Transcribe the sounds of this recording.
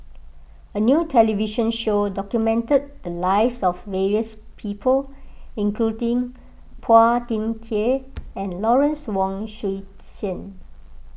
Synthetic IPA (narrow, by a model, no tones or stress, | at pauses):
ənjutʰɛliviʃə̃nʃodɔkjumɛ̃ntəd̚d̪əlaɪvsɔfvɛɹiəspʰiːpʰəlĩŋkludĩŋ | pʰatĩnkʰeɛ̃nlɔɹə̃nswɔ̃ŋʃi | sə̃n